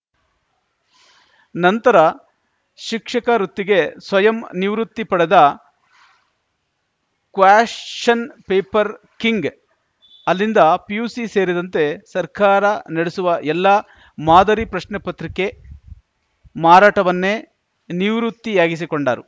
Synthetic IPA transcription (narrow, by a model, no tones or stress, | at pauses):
nɐnt̪ɐɾɐ | ʃikʂɐkɐɾut̪ːiɡe̞sʋɐjɐmniʋɾut̪ːipɐɽed̪ɐ | kʋaːʂt͡ʃɐnpeːpɐɾ | kiŋɡ | ɐlːind̪ɐpijuːsise̞ːɾid̪ɐnt̪e̞sɐɾkaːɾɐnɐɽesuʋɐʔɛlːɐ | maːd̪ɐɾipɾɐʃnɛpɐt̪ɾike̞ | maːɾaːʈɐʋɐnːe̞ | niʋɾut̪ːiaːɡis̬ikoɳɖa̰ːɾu